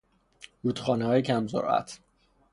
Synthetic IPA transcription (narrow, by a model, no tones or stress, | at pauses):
huːt̪χɒːnehɒːjecʰæmzo̰ɾʔæ̰t̪ʰ